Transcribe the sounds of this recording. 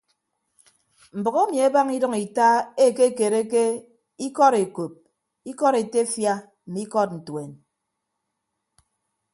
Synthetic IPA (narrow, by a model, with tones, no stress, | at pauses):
m̩˨bɔ˨ɣe˦mi˨e˦ba˦ŋi˦dʌ˦ŋi˨ta˦e˦˨ke˦˨ke˨ɾe˦ke˦ | i˦kɔ˦ɾe˨ko˨p̚ | i˦kɔ˦ɾe˨te˦fja˦ | m̩˨mi˦kɔ˦t̚n̩˨twe˨n